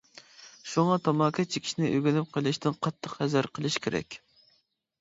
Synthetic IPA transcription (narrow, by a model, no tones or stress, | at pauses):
ʃuŋɑt̪ʰɑmɑːkʰɑt͡ʃʰe̥kʲʰi̥ʃnɪʔøɡʲynɪp̚qʰəlˠɨʃt̪ʰɪnqʰɑt̪ʰːəqhɛzæɾqʰəlˠɨʃkʲʰeɾɛ̰kʲ